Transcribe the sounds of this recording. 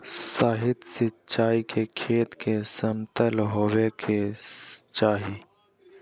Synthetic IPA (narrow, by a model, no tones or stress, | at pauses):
saːɦɪt̪sɪt͡ʃaːikʰekʰeːt̪kesəmt̪əlɦoːʋekʰest͡ʃaːɦiː